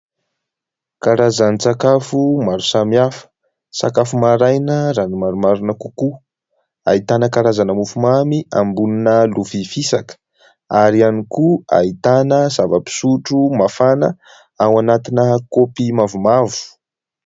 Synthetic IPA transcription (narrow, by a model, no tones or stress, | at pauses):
kaɾazanit͡sakafumaɾusamiafə̥ | sakafumaɾajnəɾanimaɾumaɾunəkuku | a̰it̪anəkaɾazanəmufumamiambuninəlufifisakə̥ | aɾianikua̰it̪anəzavəpi̥suʈ͡ʂumafanə | awanat̪inəkopimavumavu̥